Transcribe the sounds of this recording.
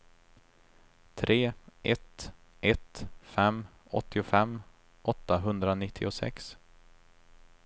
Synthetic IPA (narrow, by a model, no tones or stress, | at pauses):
t̪ʰɾʔeːʔɛt̪ | ʔɛt̪fɛmː | ɔ̰t̪ːɪʊfɛmː | ʔɔt̪ːaɦɵnd̪ɾanɪt̪ʰːɪ̰ʊsɛ̰ks